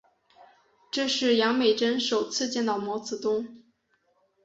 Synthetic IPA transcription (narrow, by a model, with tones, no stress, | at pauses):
ʈ͡ʂɤ˥˧ʂɻ̩˥˩jɑ˧˥ŋme˨˩ɪʈ͡ʂə˥nʂo˨˩ʊt͡sʰɹ̩˥˧t͡ɕjɛ˥˩nɑ˥˨˩ʊmwɔ˧˥t͡sɹ̩˨˩t̪ʊ˥ŋ